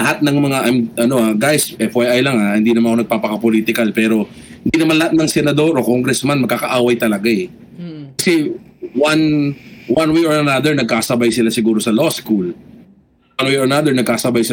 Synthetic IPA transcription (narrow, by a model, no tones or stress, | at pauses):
lɐhat̪̚nɐŋmɐŋaʔajmʔɐno̞ʔaɡajsʔɛfɛʔajlɐŋahɪnd̪iːnɐmanɐonɐɡ̚paːpɐkɐpoliːt̪ɪkalpɛːɾo̞ | hɪnd̪inɐmanlɐhat̪̚nɐŋsɛnɐd̪o̞ɾʔo̞koŋɡɾɛsmanmɐɡkːakɐʔaːwɐjt̪ɐlɐɡaɛ | kɐsɛwanwanwɛʔoɹɐnad̪ɛɹnɐɡ̚kaːsɐbajsɪlasɪɡuːɾo̞sɐloskul | ɐnwɛɐnad̪ɛɹnɐɡkaːsɐbajsɪ